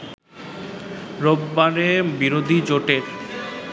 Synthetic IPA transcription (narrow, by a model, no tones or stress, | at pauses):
ɾobːaɾebiɾod̪ʱid͡ʑoʈeɾ